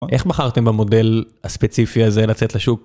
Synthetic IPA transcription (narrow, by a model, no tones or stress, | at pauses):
ʔe̞χbaχaʁt̪embamo̞de̞l | aspet͡sifiazelat͡set̪leʃuk̚